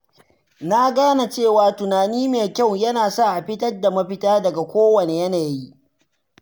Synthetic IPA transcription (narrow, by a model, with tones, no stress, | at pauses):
na˦ɡaː˦na˨t͡ʃeː˦˨waː˨tʊ˨naː˨niː˦meː˨kʲɐ˦˨wjɐ˦naː˨sa˦ʔa˨ɸɪ˦tɐ˦rda˨mɐ˦ɸɪ˦taː˦dɐ˨ɡa˨kʷoː˦wɐ˨neː˨jɐ˦naː˨ji˦ʔ